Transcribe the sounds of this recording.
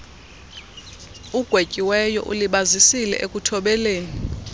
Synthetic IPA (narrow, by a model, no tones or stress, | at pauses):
uɡ̥ʱwecʼiwɛjɔ̰ʔṵliɓazisilɛ̰ʔekʼutʰɔɓɛleːni